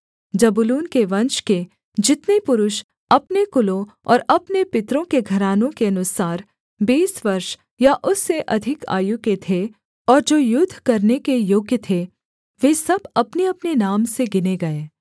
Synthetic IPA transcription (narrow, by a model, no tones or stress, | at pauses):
d͡ʒɐbʊluːnkeʋɐ̃nʃke | d͡ʒɪt̪nepʊɾʊʃ | ɐpnekʊlõ | ɔ̰ːɾɐpnepɪt̪ɾõkeɡʱɐɾaːnõkeɐnʊsaːɾ | biːsʋɐɾʃ | jaʔʊsːeʔɐd̪ʱɪka̰ːjʊket̪ʰe | ɔːɾd͡ʒoːjʊd̪ʱːkɐɾnekejoːɡjət̪ʰe | ʋeːsɐbɐpneɐpnenaːmseɡɪneɡɐeː